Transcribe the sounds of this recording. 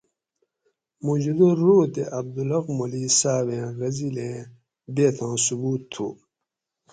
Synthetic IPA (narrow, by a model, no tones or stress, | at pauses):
mud͡ʑud̪ouːt̪eʔɐb̚d̪ulɐqmulisaːbẽːɣɐzilẽː | d̪eːt̪ʰãːsubuːt̪ʰːṵː